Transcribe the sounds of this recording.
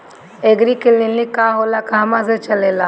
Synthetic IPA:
eːɡɾikɪlinlikaːɦoːlakaːmãs̬et͡ʃɐleːlaː

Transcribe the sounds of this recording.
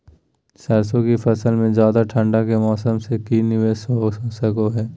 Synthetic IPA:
sɛɾsõkifɐsəlmẽd͡ʒjaːd̪aʈʰə̃ɳɖakemɔːsəmsekinɪʋeːsoɦoːsəkoɦɛː

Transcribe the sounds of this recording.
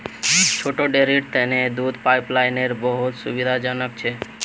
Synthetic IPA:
t͡ʃʰoʈoɖeɾiʈ̚t̪əned̪ud̪ʱpaɪplaɪneɾbəɦut̪sṵbid̪ʱad͡ʒənək̚t͡ʃʰe

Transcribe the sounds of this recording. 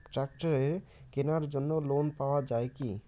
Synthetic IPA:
ʈɾak̚ʈaɾeɾ | kenaɾd͡ʑonːolonpaoad͡ʑaeki

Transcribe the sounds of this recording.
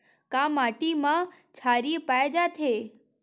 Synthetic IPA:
kaːmaːʈimã | t͡ʃʰaːɾipaːjd͡ʒat̪ʰeː

